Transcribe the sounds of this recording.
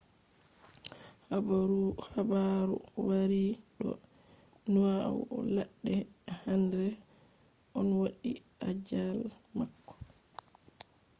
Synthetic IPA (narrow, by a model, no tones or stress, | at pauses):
habaɾuhabaɾu | waɾiɗɔ̰ | nua̰wɔ̰laɗːɛhandɛ | ʔɔnwaɗiʔad͡ʒalmakːɔ̥